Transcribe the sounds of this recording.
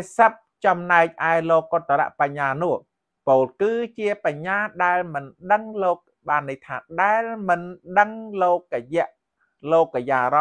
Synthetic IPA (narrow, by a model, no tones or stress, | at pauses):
səp̚t͡ɕɑmnaɛk̚ʔaɛloːkːot̪ːala̰ʔpaɲːaːnʊ̆əh | poːlkɨːt͡ɕiəpaɲːaːɗaɛlmɨnɗəŋloːk̚ | ɓaːnːiht̪ʰa̰ːɗaɛlmɨnɗəŋloːk̚rəjɛ̆əʔ | loːkrəjaːrɑ